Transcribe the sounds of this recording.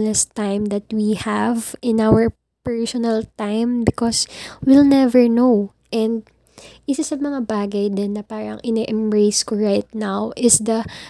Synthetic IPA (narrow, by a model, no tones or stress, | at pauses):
lɛst̪ãjmd̪ɐt̪̚wihavɪ̃nawɛɹ | pɛɹsɔnɐlt̪ãjmbɪkɔswilnɛvɛɹnow | ʔɛnd̪̚ | ʔisɐsɐmɐŋabaːɡɐjd̪ɪnːɐpaːɾɐ̰ŋʔɪnɛʔɛmbɹejskoɹajt̪̚nawʔɪsd̪ɐ